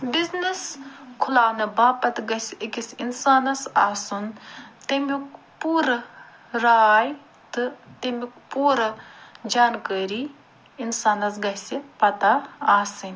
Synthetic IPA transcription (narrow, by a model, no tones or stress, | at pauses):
bizniskʰulaːnɨbaːpɐt̪ɡɐsikisinsaːnɐsaːsunt̪emuk | puːɾɨ | ɾaːj | t̪ɨt̪emukpuːɾɨd͡ʒaːnkəːɾiː | insaːnɐs̬ɡɐsipɐt̪aːsɨnʲ